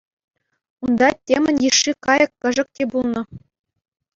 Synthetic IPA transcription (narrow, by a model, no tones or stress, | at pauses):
und̪ɑtʲemʲɘ̆nʲjiʂːikɑjɤ̆kːʲɘ̆ʐɘ̆k̚tʲebulˠnɤ̆